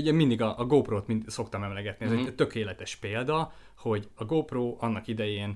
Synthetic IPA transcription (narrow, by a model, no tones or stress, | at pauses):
uɟɛmind̪iɡɒʔɒɡoːproːt̪minso̞kt̪ɒmɛmlɛɡɛt̪niɛzɛt̪ø̞keːlɛt̪ɛʃpeːld̪ɒ | ho̞ɟɒɡoːproːʔɒnːɒkid̪ɛjeːn